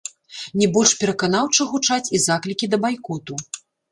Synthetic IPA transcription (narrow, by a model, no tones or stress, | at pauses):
nʲɛbɔlʲʂpʲɛɾɐkanawt͡ʂɨɣut͡ʂat͡sʲizaklʲikʲid̪ɐbajkɔt̪u